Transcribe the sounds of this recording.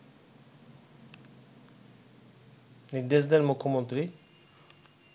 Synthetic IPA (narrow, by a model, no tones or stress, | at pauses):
niɾd̪eʃ̬d̪eɾmukʰːomont̪ɾi